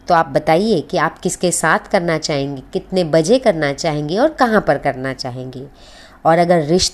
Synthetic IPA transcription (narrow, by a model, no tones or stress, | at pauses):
t̪oaːp̚bɐt̪aːiekiaːpkɪskesaːt̪ʰkɐɾnat͡ʃaːɦẽːŋɡekɪt̪nebɐd͡ʒekɐɾnat͡ʃaːɦẽːŋɡeɔːɾkɐɦãpɐɾkɐɾnat͡ʃaːɦẽːŋɡeː | ɔːɾɐɡəɾːɪʃt̪